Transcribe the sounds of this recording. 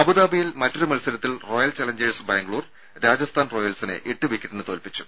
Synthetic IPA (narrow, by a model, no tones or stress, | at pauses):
ɐbuðaːbijilmɐtːɐrumɐlsɐɾɐt̪ːilro̞ːjɐlt͡ɕɐlɐɲd͡ʑeɻsbaːŋɡɭuːr | ɾaːd͡ʑɐst̪ʰaːnro̞ːjɐlsinɨ̰ʔiʈːɨʋikʲːɐʈːenːɨt̪o̞ːlpit͡ɕːu̥